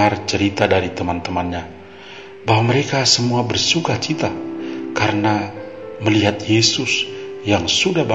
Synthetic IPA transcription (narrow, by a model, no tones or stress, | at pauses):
art͡ʃəɾit̪adaɾit̪əmant̪əmanɲa | baɦwaməɾekasəmuabərsuɡaht͡ʃit̪akaɾənaməliɦat̪jesʊsjaŋsudahba